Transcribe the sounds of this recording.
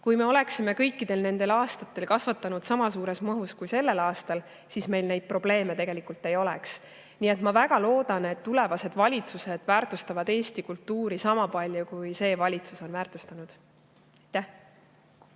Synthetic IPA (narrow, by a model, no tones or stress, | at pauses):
kujme̞o̞le̞ksime̞kɤ̞jkːˑid̪e̞lne̞nd̪̥e̞lɑːst̪ɑt̪ːˑe̞lkɑsvɑt̪ːˑɑnud̪sɑmɑsuːɾe̞smɤɦuskujse̞lːe̞lɑːst̪ɑl | sisme̞jlne̞jd̪̚pro̞b̥le̞ːme̞t̪e̞ɡ̥e̞likult̪ːˑe̞jo̞lɛ̰ks | niːe̞t̪ˑmɑvæɡ̥ɑlo̞ːd̪̥ɑne̞t̪ːule̞vɑse̞d̪̥vɑlʲit̪suse̞d̪̥væːrt̪ˑust̪ɑvɑd̪e̞ːst̪ikult̪ːuːɾisɑmɑpɑlʲjukujse̞ːvɑlʲit̪suso̞nvæːrt̪ˑu̥st̪ɑnud̪̥ | ɑjt̪ːæh